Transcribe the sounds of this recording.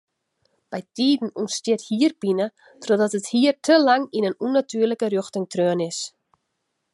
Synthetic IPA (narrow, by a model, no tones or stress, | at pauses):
b̥ɛjtiːdn̩unstɪthiːərb̥inə | trodɔtəthiːərtʰəlaŋinənunatʰyːrləkərøxtɪŋtrøənɪs